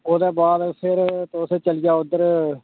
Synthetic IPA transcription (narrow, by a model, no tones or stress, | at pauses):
oːd̪ɛːbaːd̪pʰɪɾt̪oːseːt͡ʃəlɪjaːʊd̪ːəɾ